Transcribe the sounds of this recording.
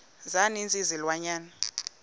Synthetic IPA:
zanind͡zʼizilwaɲaːna

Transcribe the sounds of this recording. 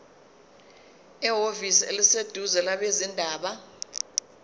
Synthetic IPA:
ɛɦovisḛlised̥ʱuzɛlaɓezindʱaːɓa

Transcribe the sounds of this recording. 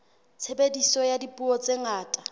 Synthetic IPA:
t͡sʰebedisɔjadipʼuɔt͡sʼeŋaːtʼa

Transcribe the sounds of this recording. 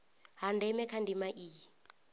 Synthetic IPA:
ɦandɛmɛkʰandimaʔiːi

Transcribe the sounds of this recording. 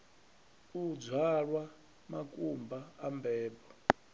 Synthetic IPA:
ud͡zʱwaɺwa | makʼumbaambʱɛːbɔ

